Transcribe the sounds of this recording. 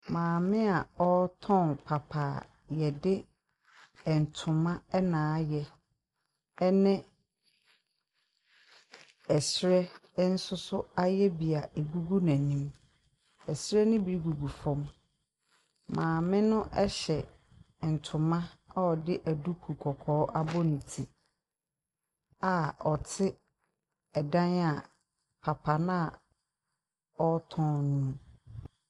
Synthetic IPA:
mãː˨mɪ̃˦a˨ɔ˦tʰɔ̃˦˨npʰa˨pʰaː˨ | jɛ˨dɪ˦ | ɛ˨n̩˨tʰʊ̃˨mã˦ɛ˦nãː˨˦jɛ˦ | ɛ˦nɪ̃˦ | ɛ˨sɾɛ˦n̩˦sʊ˦sʊ˦a˦jɛ˦bi˨a˨e˨ɡu˦ɡu˦nã˨nĩ˦m | ɛ˨sɾɛ˦nʊ̃˦bi˦ɾi˦ɡu˨ɡu˨fɔ̃˦m | mãː˨mɪ̃˦nʊ̃˦ʔɛ˦ɕɛ˨ | n̩˨tʰʊ̃˨mã˦ɔ˦ɔ˨dɪ˦ʔæ˨du˦kʰu˨kʰɔ˨kʰɔː˨˦ʔa˦bɔ˦nĩ˨tʰi˨ | a˨ɔ˨tʰɪ˦ | ɛ˨dã˦na˨ | pʰa˨pʰa˨nã˦˨ | ɔ˦tʰɔ̃ː˦nũ˦

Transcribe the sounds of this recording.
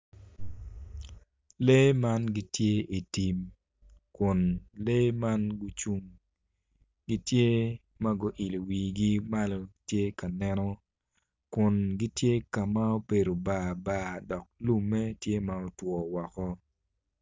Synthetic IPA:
le˦ma˦nɡi˦tje˦i˨ti˨m | kʊ˨nle˦ma˦nɡu˦t͡ʃu˦ŋ | ɡi˦tje˦ | ma˦ɡʊ˦ʔi˨lo˨wi˨ɡi˦ma˦lo˦tje˦ka˨nɛ˦nɔ˦ | kʊ˨nɡi˦tje˦ka˨ma˦o˦pe˨ɾo˨ba˨ba˦dɔ˨k̚lu˦mːɛ˦tje˦ma˦o˨twɔ˨wɔ˨kɔ˦

